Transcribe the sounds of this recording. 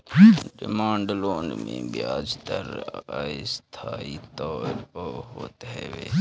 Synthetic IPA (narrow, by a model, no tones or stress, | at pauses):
ɖɪmaːɳɖloːnmḛ̃ːbiaːd͡ʒt̪əɾaist̪ʰaːit̪ɔːɾpəɦoːt̪ɦeʋeː